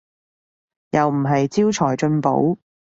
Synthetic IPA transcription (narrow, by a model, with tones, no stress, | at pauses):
jɐ˨wm̩˨˩ɦɐ˨jt͡siː˥wt͡ʃʰɔː˨˩jt͡ʃɵ˧npo̰˨˥w